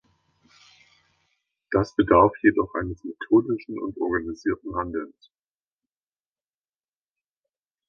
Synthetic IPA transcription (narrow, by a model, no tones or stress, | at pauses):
d̥asb̥ədaɐfjedɔχʔa̰ɪnəsmetʰoːdɪʃn̩ʊ̰ntʔɔɐɡaniziːɐtn̩ɦandl̩s